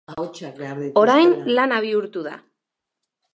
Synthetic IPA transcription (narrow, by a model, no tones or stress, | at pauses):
o̞ɾajnlanaβ̞iuɾt̪uða̰